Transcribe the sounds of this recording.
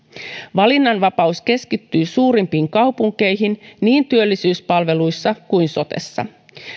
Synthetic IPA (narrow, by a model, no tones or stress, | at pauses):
ʋɑlinːɑnʋɑpɑuske̞skit̪ːyːsuːɾimpiːŋkɑwpuŋk̟e̞jɦinniːnt̪yølːisyːspɑlʋe̞lujsːɑkujnso̞t̪e̞̰sːɑ̰